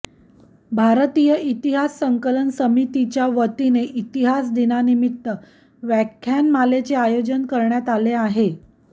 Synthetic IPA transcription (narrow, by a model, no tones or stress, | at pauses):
bʱaɾt̪ijəit̪iɦasːəŋkələnsəmit̪it͡ɕjaʋət̪ineʔit̪iɦasd̪inanimit̪ːə | ʋækʰːjanmalet͡seajod͡ʑənkəɾɳjat̪aleaɦe